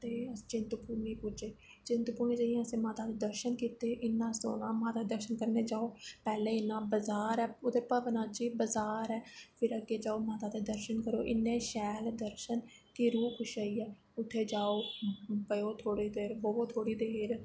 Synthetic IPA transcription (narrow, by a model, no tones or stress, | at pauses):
t̪eːət͡ʃɪnt̪əpuːnĩːpʊd͡ʒeːt͡ʃɪ̃nt̪puːnẽːd͡ʒəiãːəsĩːmaːt̪aːt̪eːd̪əɾʃənkiːt̪eːʔɪnːãːso̰ːnãːmãːt̪aːd̪əɾʃənkəɾneːd͡ʒaːoːpɛːlẽːɪnːãːbəzaːɾɛːoːd̪eːpəʋnãːd͡ʒiːbəzaːɾɛːpʰɪɾəɡeːd͡ʒaːoːmaːt̪aːt̪eːd̪əɾʃənkəɾo̰ːʔɪnːẽːʃɛːld̪əɾʃənkiɾuːkʰʊʃaːiːɛː | ʊt̪ʰːeːd͡ʒaːoːpəjoːt̪ʰoːɽiːd̪eːɾɦoːoːt̪ʰoːɽiːd̪eːɾ